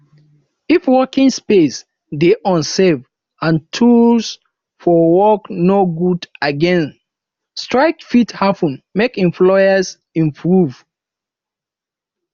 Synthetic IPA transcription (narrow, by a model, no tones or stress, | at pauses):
ifwɔkĩŋspes | deʔɔ̃nsɛv | ãntʰuls | fɔwɔknoɡudaɡɛ̃n | stɹaɪk̚fithapə̃nmekɛ̃mplɔəs | ĩmpʰɹuv̥